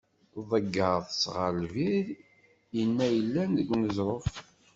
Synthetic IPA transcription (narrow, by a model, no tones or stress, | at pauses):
ðˤəɡːəɾðˤsʁəlviɾ | jənːæjəlːænðəɡʷːnəzˤɾˤof